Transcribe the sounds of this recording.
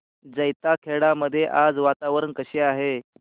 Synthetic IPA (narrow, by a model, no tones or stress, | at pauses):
d͡zəjt̪akʰeɽaməd̪ʱːjeʔad͡zʋat̪aʋəɾənkəɕeaɦe